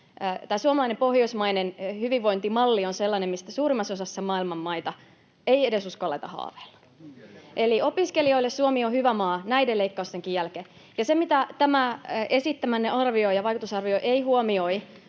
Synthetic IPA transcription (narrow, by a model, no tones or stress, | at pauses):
t̪æːsuomɑlɑinempohjoismɑinenhyʋiʋʋːoint̪imɑlːionselːɑnemmist̪æsuːrimːɑsosɑsːɑmɑːilmɑmmɑit̪ɑ | eiedesuskolːḛit̪ɑhɑ̰ːʋelːɑ̥ | ʔeliopiskelioilːessuomiohyʋæmɑːnæideleikːɑust̪eŋkijjælke | jɑsemit̪æt̪æmæesit̪ːæmænːeʔɑrʋioijɑʋɑikut̪usɑrʋioiʔeihuomioi